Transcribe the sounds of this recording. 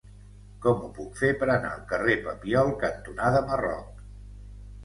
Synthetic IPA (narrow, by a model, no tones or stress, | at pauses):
kɔmupukfepəɾəna̰əlˠkərepəpiɔlˠkənt̪unaðəmərɔ̰k̚